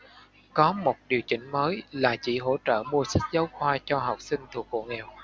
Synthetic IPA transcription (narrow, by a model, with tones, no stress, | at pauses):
kɔ˨˦mo˨˩t̚ɗi˨˩əwt͡ɕï˧˩ŋ̟məː˨˦jlaː˨˩t͡ɕḭ˧˩ɦo̰˧˥t͡ɕə̰ː˧˨mu˧əsa˦˥k̚zə˨˦wxwaː˧t͡ɕɔ˧ɦa˨˩wk͡p̚sï˧ŋ̟t̪ʰu˨˩ək̚ːo̰˧˩ŋɛ˨˩w